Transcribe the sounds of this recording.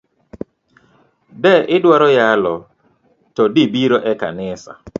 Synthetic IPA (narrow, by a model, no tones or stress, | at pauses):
dɛʔɪdwaɾɔjalɔ | tɔdibiɾoʔɛka̰nɪsa̰